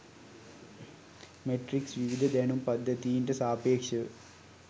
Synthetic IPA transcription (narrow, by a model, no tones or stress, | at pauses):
meʈriksʋiʋid̪ʱɐd̪eːɳumpɐd̪ʱːɐt̪ijinɖɐsaːpeːkʂɐ